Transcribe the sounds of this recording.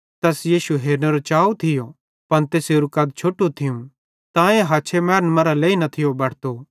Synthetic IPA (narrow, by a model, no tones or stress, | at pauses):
t̪ɛːsjiːʃuɦeːɾneɾot͡ʃaːut̪ʰɪjo | pɐnt̪eːseɾʊkɐːd̪̚t͡ʃʰoːʈːut̪ʰɪjũ | t̪ãːẽɦaːt͡ʃʰemɛːɾənmɐɾaleːinɐt̪ʰɪjobɐɽt̪o